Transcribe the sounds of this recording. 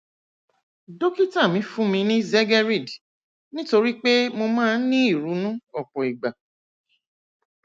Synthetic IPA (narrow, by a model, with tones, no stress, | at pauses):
do˦ki˦tã˦˨mĩ˨˦fũ˦mĩ˧nĩ˦zɛ˦ɡɛ˦ɾi˦˨d | nĩ˦to˧ɾi˦k͡pe˦mo˧mãː˦˧˦nĩ˦i˦˨ɾu˨˦nũ˦ɔ˦˨k͡pɔ˨i˨ɡ͡ba˨